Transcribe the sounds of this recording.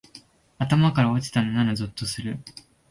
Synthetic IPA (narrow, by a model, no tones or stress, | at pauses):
at̪amakaɾao̞t͡ɕi̥t̪anonanazot̪ːo̞sɨɾɯ̟